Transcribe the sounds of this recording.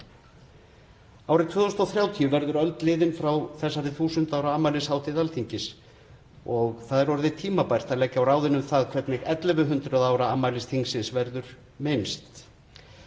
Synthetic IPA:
awɾɪt̪ʰvʏːðɔst̪ɔwθɾjaːwt̪ʰijʏvɛɾðʏɾœlt̪lɪːðɪnfɾawθɛsːaɾɪθuːsʏnt̪aːwɾaamːaːlɪshaːwt̪ɪðalt̪ʰiɲcɪs | ɔɣθaðɪɾɔɾðɪt̪ʰiːmapajr̥t̪aðlɛcːawraːwðɪnʏmθaðkʰvɛɾt̪nɪɣɛt̪lɪvʏɦʏnt̪ɾʏðaːwɾaamːaːlɪst̪ʰiŋsɪnsvɛɾðʏɾ̥ | mɪnst̪

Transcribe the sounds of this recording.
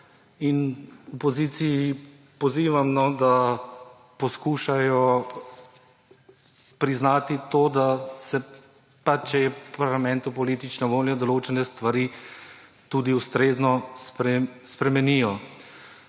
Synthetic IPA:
inupɔzit̪siji | pɔziːʋamnɔd̪a | pɔskuːʃajɔ | pɾiznaːt̪it̪oːd̪asɛ | pat͡ʃːɛjɛpaɾlamɛnt̪upɔliːt̪it͡ʃnɔʋoːljɔd̪ɔloːt͡ʃɛnɛst̪ʋaɾi | t̪ud̪iust̪ɾeːznɔspɛspɾɛmɛnijɔ

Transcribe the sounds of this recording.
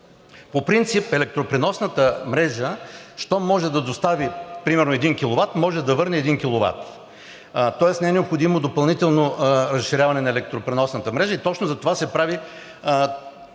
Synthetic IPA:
popɾint̪sipɛlɛk̚t̪ɾopɾɛnɔsnət̪əmɾɛʒəʃt̪ɔmɔʒɛd̪ɐd̪ost̪avipɾimɛɾnoɛd̪inkʲilˠovat̪mɔʒɛd̪ɐvɤɾnɛːd̪inkʲilˠova̰t̪ | t̪ɔɛsnɛɛnɛopxod̪imod̪opɐlˠnit̪ɛlˠnoɾɐsʃːiɾʲavɐnɛnɐɛlɛk̚t̪ɾopɾɛnɔsnət̪əmɾɛʒəit̪ɔt͡ʃnozɐt̪ovasɛpɾavi

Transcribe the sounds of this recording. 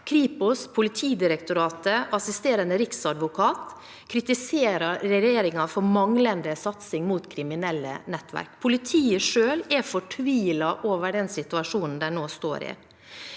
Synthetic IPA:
kʰɾiːpʊspʰʊlɪt̪ʰiːd̪ɪɾəkt̪ʊɾɑːt̪əɑsɪst̪eːɾənəɾɪksɑd̪ʋʊkʰɑːt̪ | kʰɾɪt̪ɪseːɾɑɾɛjeːɾɪŋɑfɔɾmɑŋlənd̪əsɑt̪sɪŋmuːt̪kʰɾɪmɪnɛlːə̰nɛt̪ːʋæ̰ɾkpʰʊlɪt̪ʰiːəʂøːlɛfɔʈʰʋiːlɑʔoːʋəɖɛnsɪt̪ʉɑʂuːnn̩d̪æɳoːst̪o̰ːɾɪ̰

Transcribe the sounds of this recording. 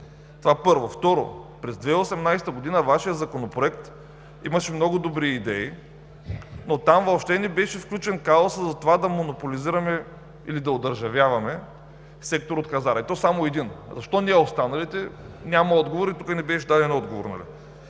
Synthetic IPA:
t̪ovapɤɾvoft̪ɔɾo̰pɾɛzd̪vɛiosɛmnajst̪əɡod̪inɐvaʃijəzɐkonopɾoɛkt̪ | imɐʃɛmnɔɡʊd̪obɾiid̪ɛi | not̪amvopʃt̪ɛnɛbɛʃɛfklʲut͡ʃɛnkaoszɐt̪ovad̪ɐmonopoliziɾɐmɛ | ilid̪ɐod̪ɐɾʒɐvjavɐmɛ | sɛk̚t̪oɾot̪̚kɐzaɾɛt̪ɔsamoɛd̪inzɐʃt̪ɔniɛost̪anɐlit̪ɛ | nʲamɐɔd̪ɡovoɾit̪ukənɛbɛʃʃd̪ad̪ɛnɔd̪ɡovo̰ɾnɐ̰lḭ

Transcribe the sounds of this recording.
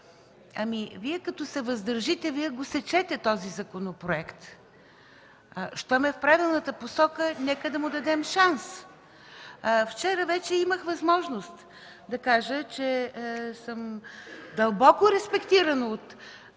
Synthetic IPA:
ɐmiviɛkɐt̪ʊsɛvɐzd̪əɾʒit̪ɛviɛɡosɛt͡ʃɛt̪ɛt̪ɔzizɐkonopɾoɛkt̪ | ʃt̪ɔmɛfpɾad̪ɛlˠnət̪əposɔkənɛkəd̪ɐmʊd̪ɐd̪ɛmʃans | ft͡ʃɛɾəvɛt͡ʃɛiməxvɐzmɔʒnost̪ | d̪ɐkaʒət͡ʃɛsəmd̪ɐlˠbɔkʊɾɛspɛkt̪iɾənot̪

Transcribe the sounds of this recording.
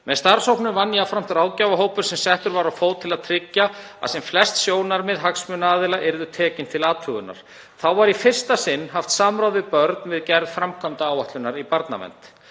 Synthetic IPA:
mɛðst̪aɾ̥sowpnʏmvanːiafɾam̥t̪ɾaːwcaːvaɦoːwpʏɾ̥sɛmsɛht̪ʏɾvaɾawfoːwt̪ʰɪlaðt̪ʰɾɪcːaa̰ðsɛmflɛst̪sjoːwnaɾmɪðɦaksmʏnaːðɪlaʔɪɾðʏt̪ʰɛːcɪnt̪ʰɪlaːt̪ʰʏɣʏ̰na̰ɾ̥ | θawvaɾifɪr̥st̪asɪnːɦaft̪saːmɾawðvɪpœɾt̪nvɪðcɛɾðfɾamkʰœmt̪aaːwaht̪lʏnaɾipaɾt̪na̰mɛ̰nt̪

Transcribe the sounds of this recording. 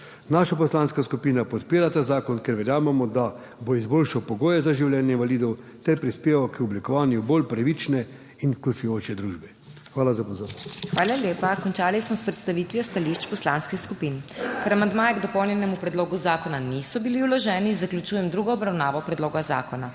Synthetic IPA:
naːʃapɔslanskaskupiːnapɔt̪piːɾat̪aːzaːkɔnkɛɾʋɛɾjaːmɛmɔd̪a | boizboːlʃawpɔɡoːjɛzaʒiwlʲjɛːnjɛinʋaliːd̪ɔw | t̪ɛɾpɾispeːʋakɔblikɔʋaːnjubolpɾaʋit͡ʃnɛ | infklʲut͡ʃujoːt͡ʃɛd̪ɾuːʒbɛ | xʋaːlazapɔzoːɾnɔst̪xʋaːlaljeːpakɔnt͡ʃaːlismɔspɾɛt̪st̪aʋiːt̪ʋjɔst̪aliʃt͡ʃpɔslanskixskupiːnkɛɾamand̪maːjɛɡd̪ɔpɔwnjɛnɛmupɾɛd̪loːɡuzaːkɔnanisɔbiliwlɔʒɛːnizaklʲut͡ʃuːjɛmd̪ɾuːɡɔːbɾawnaːʋɔpɾɛd̪loːɡaza̰ːkɔna

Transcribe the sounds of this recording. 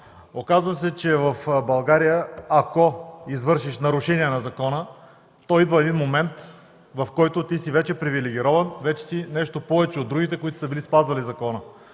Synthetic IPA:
okazvəs̬ɛt͡ʃɛvɐfbɐlˠɡaɾijəakoizvɤɾʃiʃnɐɾʊʃɛniɛnɐzɐkɔnə | t̪ɔid̪vəɛd̪inmomɛnt̪ | vɐfkɔjt̪ot̪isivɛt͡ʃɛpɾivilɛɡʲiɾɔvɐnvɛt͡ʃɛ̥sinɛʃt̪opɔvɛt͡ʃɛod̪ɾuɡʲit̪ɛkoit̪o̥səbilispazvɐlizɐkɔnə

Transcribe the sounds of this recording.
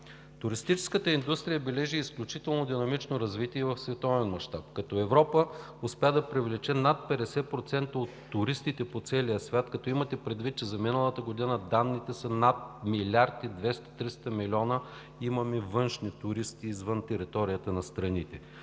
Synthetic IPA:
t̪ʊɾist̪it͡ʃɛ̥skət̪əind̪ust̪ɾijəbɛlɛʒiːsklʲut͡ʃit̪ɛlˠnod̪inɐmit͡ʃnoɾɐzvit̪iɛvɐfsvɛt̪ɔvɛnmɐʃt̪apkɐt̪ɔɛvɾɔpə | ʊspɛɛd̪ɐpɾivlɛt͡ʃɛnat̪̚pɛd̪ɛsɛpɾot̪sɛnt̪əot̪ːʊɾist̪it̪ɛpot̪sɛlijəsvʲat̪kɐt̪ɔimɐt̪ɛpɾɛd̪vit̪̚t͡ʃɛzɐminəlˠət̪əɡod̪inəd̪anːit̪ɛsɐnat̪̚milʲaɾd̪id̪vɛst̪ɐ̥t̪ɾist̪əmilʲɔnə | imɐmɛvɤnʃnit̪ʊɾist̪iːzvənt̪ɛɾit̪ɔɾijət̪ənɐst̪ɾɐnit̪ɛ

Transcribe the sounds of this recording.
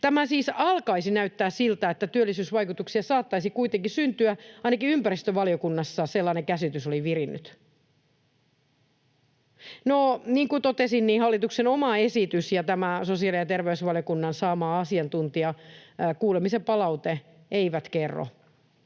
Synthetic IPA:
t̪æmæsiːsɑlkɑisinæyt̪ːæːssilt̪æet̪ːæt̪yølːˑisyːsʋɑikut̪uksiɑsɑːt̪ːɑisikuit̪eŋkisynt̪yæɑinɑkiympærist̪øʋɑliokunːɑsːɑselːɑːnekæsit̪ysoliʋirinːy̰t̪ | noniːŋkut̪ot̪esinniːhɑlːit̪uksenomɑesit̪ysjɑt̪æmæsosiɑlijɑt̪erʋeysʋɑljokunːɑnsɑːmɑːɑsiɑnt̪unt̪iɑkuːlemisempɑlɑut̪e | eiʋæt̪kerːo̰

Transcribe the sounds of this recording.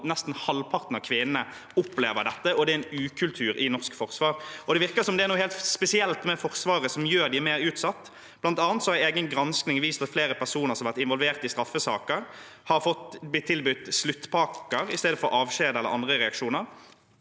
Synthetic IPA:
nɛst̪n̩hɑlpʰɑʁt̪n̩ɑʋkʰʋɪnnə | ʊpleːʋəɾd̪ɛt̪ːəɔd̪ɛæɛnʉːkʰʉlt̪ʰʉːɾɪnɔʁskfɔʁsʋɑːɾɔd̪ɛʋɪʁkəsɔmd̪ɛæɾnuːheːlt̪spɛsɪɛlt̪mɛfɔʁsʋɑːʁəsɔmjøːɾd̪ɪæmeːɾʉːt̪sɑt̪ː | b̥lɑnt̪ɑːnt̪sɔhɑɪeːɡənɡɾɑnsknɪŋʋiːst̪ɑt̪fleːɾəpʰæɾsuːnəʁsɔmɑʋæɾt̪ɪnʋɔlʋeːʁt̪ɪst̪ɾɑfːəsɑːkəɾ | hɑɾfɔt̪bɪt̪ʰːɪlbʉt̪ːslʉt̪ːpʰɑːkəɾɪst̪eːd̪əfɔɾɑːʋʃeːd̪əɛlːə̰ɾʔɑ̰nd̪ɾəɾɛɑkʂuːnəɾ

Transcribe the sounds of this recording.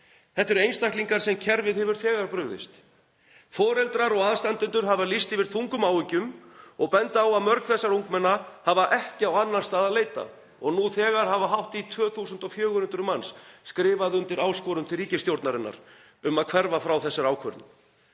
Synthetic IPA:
θɛht̪ɛɾejnst̪ahk̪liŋkaɾ̥sɛmcʰɛɾvɪðhɛvʏɾ̥θɛːɣaɾpɾʏɣðɪ̰st̪ | fɔːɾɛlt̪ɾaɾɔɣaðst̪ant̪ʏnt̪ʏɾ̥ɦavalist̪ɪvɪɾ̥θuŋkʏmaːwɪcʏmɔɣpɛnt̪awaðmœɾkθɛsːaɾuŋkmɛnːahavaʔɛhcɪawanːanst̪aðaðleːjt̪a̰ | ɔɣnuθɛːɣaɾ̥ɦavaɦawht̪it̪ʰvœːθusʏnt̪ɔfjœːɣʏhʏnt̪ɾʏmansskɾɪːvaðʏnt̪ɪɾaːwskɔɾʏmt̪ʰɪlriːcɪst̪jowɾt̪naɾɪnːa̰ɾ̥ | ʏmaðkʰvɛɾvafɾawθɛsːɪɾaːwkʰvœ̰ɾt̪nɪ

